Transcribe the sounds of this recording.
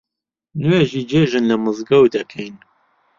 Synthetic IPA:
nweʒiːd͡ʒeːʒɨnlɐmɨzɡɐwd̪ɐkʰɛjn

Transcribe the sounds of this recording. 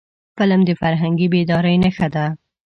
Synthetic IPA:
pəlamd̪əfaɾɦaŋɡibed̪ɑɾəjnəxad̪a

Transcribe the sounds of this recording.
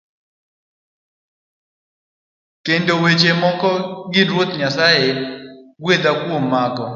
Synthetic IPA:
kendowet͡ʃemɔkɔɡɪɾwot̪ɲasajeɡwed̪akwomːakɔ

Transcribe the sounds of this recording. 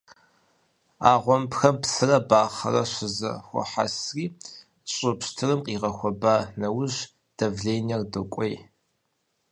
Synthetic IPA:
aːʁʷɔmpxɐmpsɨrɐbaːχɐ̰rɐʃɪzɐ̰xʷɔ̰ħa̰sriː | ɕʼɨpʃtʰɨrɨmqʼiːʁɐxʷɔbaːnɐwʊʑ | d̥ɐvɮeːnɐrdɨkʷʼej

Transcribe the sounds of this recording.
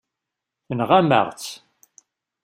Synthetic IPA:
θənʁæmə̰ʁt͡s

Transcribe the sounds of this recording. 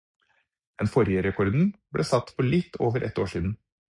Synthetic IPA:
ɛnfɔɾjəɾɛkʰɔɾd̪n̩bɽʔeːsɑt̪ːpɔlɪt̪ʰːoːʋəɾʔɛ̰t̪ːoːʂiːd̪n̩

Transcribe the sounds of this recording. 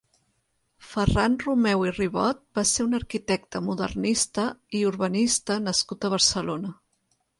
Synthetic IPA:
fəranrumɛwiriβɔt̪̚baseunəɾkit̪ɛk̚t̪əmuðə̰rnist̪əiuɾβənist̪ənəskut̪əβ̞əɾsəlonə

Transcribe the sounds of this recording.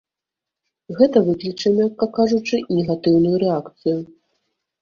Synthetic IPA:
ɣɛt̪ɐvɨklʲit͡ʂɐmʲakːɐkːaʐut͡ʂɨnʲɛɣat̪ɨwnujuɾɛakt̪sɨju

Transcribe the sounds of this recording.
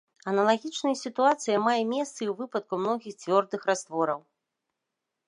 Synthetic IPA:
ɐnɐlˠaɣʲit͡ʂnɐjɐsʲit̪uat̪sɨjɐmajɛmʲɛst̪sɨiwvɨpɐt̪̚kumnɔɣʲixt͡sʲvʲɔrd̪ɨxrast̪vɔɾɐw

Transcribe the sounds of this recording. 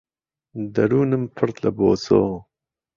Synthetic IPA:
d̪ɐɾuːnəmpʰəɾt̪lɐboːt͡soː

